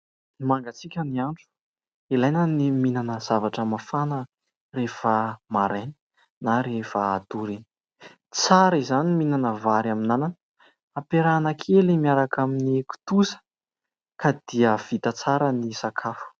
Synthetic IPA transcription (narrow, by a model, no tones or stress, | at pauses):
imaŋɡat͡sikʲəniaɳʈ͡ʂu̥ | ilajnəniminanəz̥avaʈ͡ʂəmafanə | refəmaɾani̥ | naɾefəːt̪uɾini̥ | t͡saɾizaniminanəvaɾaminanan | apeɾanəkʰelimiaɾakaminiku̥t̪usə̥ | kad̪̥iəv̥it̪ət͡saɾənisakʰafu̥